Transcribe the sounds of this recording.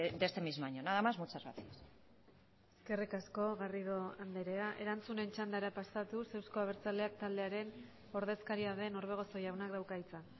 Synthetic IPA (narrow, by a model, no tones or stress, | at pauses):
d̪est̪emizmaɲonaðamazmut͡sazɣa̰t͡sias | eske̞rikasko̞ɣarið̞o̞and̪eɾe̞aʔe̞ɾant͡sune̞nt͡ʃand̪aɾapasat̪use̞wsko̞aβe̞ɾt͡sale̞akt̪ald̪e̞aɾe̞n | o̞ɾðe̞skaɾiaðe̞no̞ɾβ̞e̞ɣ̞o̞so̞jawnakd̪awkajt͡sa